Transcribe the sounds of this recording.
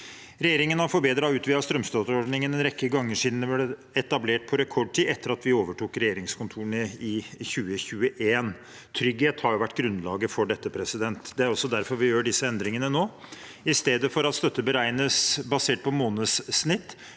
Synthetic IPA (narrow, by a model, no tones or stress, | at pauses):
ɾɛjeːɾɪŋənhɑɾfɔɾbeːd̪ɾɑʉːt̪ʋiːɑst̪ɾœmst̪øːt̪əɾɔɖɳɪŋənɛnɾɛkːəɡɑŋːəʂiːd̪n̩ʋɪlə | ɛt̪ɑbleːʈ̚pʰɔɾɛkʰɔɖ̚ʈʰiːɛt̪ːəɾɑt̪ʋɪoːʋəʈʰuːkɾɛjeːɾɪŋskʰʊnt̪ʰuːəɳəɪçʉːəçʉːəʔeːn | t̪ʰɾʏɡheːt̪hɑɾjʊʋæʈːɡɾʉnlɑːɡəfɔɖɛt̪ːəpʰɾɛsɪd̪ɛnt̪d̪ɛæɾɔsːɔd̪æɾfɔɾʋɪjøːɖɪsːəɛnd̪ɾɪŋənənoː | ɪst̪eːd̪əfɔɾɑt̪st̪œt̪ːəbəɾæɪnəsbɑseːʈ̚pʰɔmoːnəsːnɪt̪ː